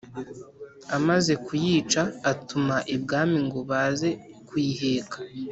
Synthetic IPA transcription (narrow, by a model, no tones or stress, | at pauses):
amaze̞kujiːt͡ʃaːtumaʔibɡaːmiŋɡoβaːze̞ | kwiːhe̞ːkʰḁ